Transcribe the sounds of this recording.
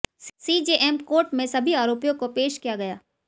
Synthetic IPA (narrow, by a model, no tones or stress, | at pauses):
sid͡ʒeːʔɛːmkoːɾʈmẽsɐbʱiaːɾoːpijõkopeːʃkijaɡɐjaː